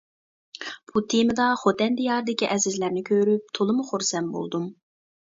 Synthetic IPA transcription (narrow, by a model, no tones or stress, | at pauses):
b̥ut̪ʰemɨd̪ɑχot̪ɛnd̪ijɑːɾd̪ɪkʲiʔɛzɪzlæɾnɪkʲʰøɾyp̚t̪ʰolˠɨmuχoɾsɛnbo̰lˠd̪um